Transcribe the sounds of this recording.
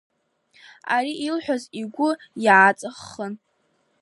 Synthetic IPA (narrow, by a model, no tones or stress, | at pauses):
aɾiʔilħʷᶣaziɡʷʊjʕat͡sʼɨχən